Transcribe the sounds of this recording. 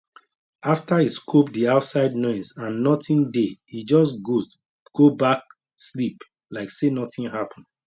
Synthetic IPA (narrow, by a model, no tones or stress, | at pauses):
aftaiskʰopdiaʊtsaɪdnɔ̃ɪ̃nsãnːɔtĩndeid͡ʒɔs̬ɡo | ɡ̥obak̚ | slip | laɪksenɔtĩnhapʰɔ̃n̩